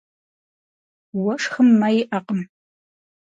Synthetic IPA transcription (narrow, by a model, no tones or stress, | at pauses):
wɐʂxɨmːɐjɪʔɐqəm